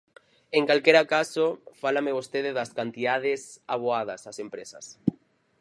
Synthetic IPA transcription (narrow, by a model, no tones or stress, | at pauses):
eŋkalkeɾakasofalameβost̪eðeðaskant̪iðað̞esaβ̞oað̞asasempɾesa̰s